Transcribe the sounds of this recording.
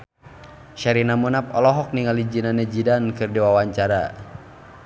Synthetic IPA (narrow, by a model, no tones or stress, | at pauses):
ʃaɾinamunap̚ɔlɔɦɔk̚niŋalid͡ʒinanɛd͡ʒidankɨrdiwawaɲt͡ʃaɾa̰